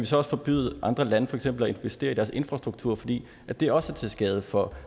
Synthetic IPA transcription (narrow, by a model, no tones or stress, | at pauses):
æʋisɒ̽ɒ̽sə̥fɒ̽b̥y̰ð̞̩ˠʔɑ̈nd̥ʁɐlænəfɒ̽eɡ̥sem̰b̥l̩ɒe̝nʋesd̥e̝̰ːɐidæɐse̝nfʁɑsd̥ʁuɡ̥̚t͡sʰṵɐ̰fɒ̽d̥ḭː | ʔæd̥e̝æɐɒ̽sət͡sʰe̝sɡ̥ɛːð̞ˠəfɒ̽